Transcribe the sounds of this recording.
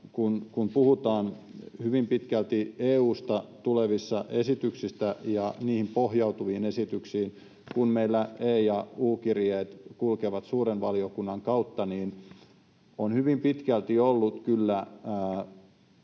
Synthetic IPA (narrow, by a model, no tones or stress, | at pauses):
kunkumpuhut̪ɑːnhyʋimpit̪kælt̪ieːuːst̪ɑt̪uleʋisːɑʔesit̪yksist̪æjɑniːhimpohjɑut̪uʋiːnesit̪yksiːn | kunmeilːæeːjɑuːkirieːt̪kulkeʋɑt̪suːɾenʋɑliokunːɑŋkɑut̪ːɑniːn | onhyʋimpit̪kælt̪iolːut̪kylːæː